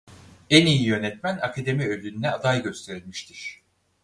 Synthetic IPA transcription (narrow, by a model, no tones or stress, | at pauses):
ɛnijijønɛt̪mænakʰad̪e̞miølʲynːɛad̪ajɟø̞st̪ʰe̞ɾilʲmiʃt̪ʰiɾ̥